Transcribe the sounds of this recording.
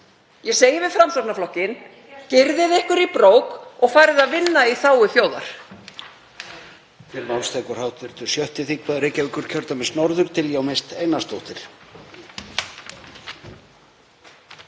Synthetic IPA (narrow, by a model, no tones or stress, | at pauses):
jɛseːjɪvɪfɾamsɔknaflɔhcɪn | cɪɾðɪðɪhkʏɾipɾoːwkɔɣfaːɾɪðaðvɪnːaiθaːwʏθjoːwða̰ɾ̥ | t̪ʰɪlmawlst̪ʰɛːkʏɾ̥hawt̪vɪɾt̪ʏɾ̥sjœht̪ɪθikvaðɾejcːavɪkʏɾ̥cʰœɾt̪amɛðsnɔɾðʏɾ̥t̪ʰɪljawmejst̪ejnast̪owht̪ɪɾ̥